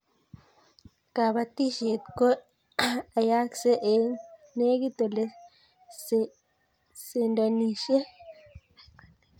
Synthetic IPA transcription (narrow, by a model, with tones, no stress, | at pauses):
ka˨ba˨t̪i˦ʃe˨t̪ko˦ | a˨ja˦kse˦ʔe˨ne˦ɡi˦t̪o˨le˦ | s | se˨ndo˨ni˨ʃe˦